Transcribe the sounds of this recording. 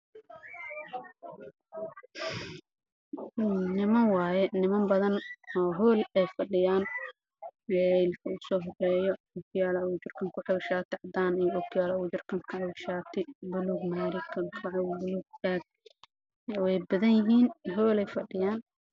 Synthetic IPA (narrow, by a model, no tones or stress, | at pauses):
nɪmɐnwɑːjɛnɪmɐmbɐðɐnɔːɦɔːlɛjfɐɖɪjaːn | ɛlkʰɐʊsɔːɦɔrɛːjɔ | ɔkʰjaːlɐʊt͡ʃɪrkʰɐŋkʰʊħɐwɪʃaːt̪ʰɪʕɑd̪aːnɪjʊkʰjaːlɐʊt͡ʃɪrkʰɐŋkʰɐʕɑwʃaːt̪ʰɪbʊluːɡmaːɾɪkʰɐkʰɐʕɔbʊluɡ̚aːɡ̚ | wɛjbɐðɐnjɪɦiːnɦɔːlɛjfɐɖɪjaːn